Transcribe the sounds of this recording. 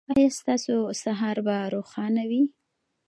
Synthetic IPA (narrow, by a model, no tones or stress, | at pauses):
ɑjɑst̪ɑsosaɦɑɾbaɾoxɑnawi